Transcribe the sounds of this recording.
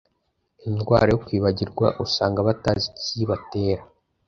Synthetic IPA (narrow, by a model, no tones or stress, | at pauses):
indɡwa̰ːɾajokwiːβaɟiɾɡwa̰ʔusaːŋɡaβataziciβate̞ːɾa